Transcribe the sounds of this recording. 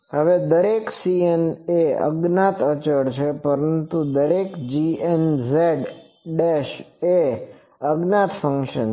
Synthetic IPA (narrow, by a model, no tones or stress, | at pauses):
ɦəʋed̪əɾeksieneə̰ɡnat̪ət͡ʃəɽt͡ʃʰepəɾənt̪ud̪əɾekd͡ʒienzeɖ | ɖeʃe | əɡnat̪fəŋkʃən